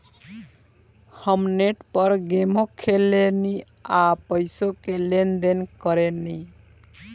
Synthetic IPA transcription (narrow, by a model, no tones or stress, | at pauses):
həmneʈpʌɾɡemokʰeleni | apəjsokelend̪enkɔɾeni